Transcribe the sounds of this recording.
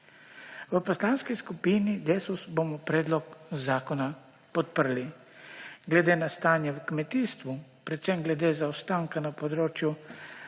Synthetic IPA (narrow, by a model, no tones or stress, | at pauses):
ʋəpɔslaːnskiskupiːnid̪eːsusbomɔpɾɛːd̪lɔkzaːkɔna | pɔt̪̚pəɾli | ɡlɛd̪eːnast̪aːnjɛwkmɛt̪iːst̪ʋupɾɛt̪sɛmɡlɛd̪eːzawst̪aːŋkanapɔd̪ɾoːt͡ʃju